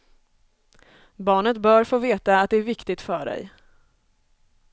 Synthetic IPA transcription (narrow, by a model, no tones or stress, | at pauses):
bɑːɳət̪bœːɾfoːveːt̪aːt̪̚d̪ɛæɾvɪkt̪ɪɡt̪fœːɖɛ̰j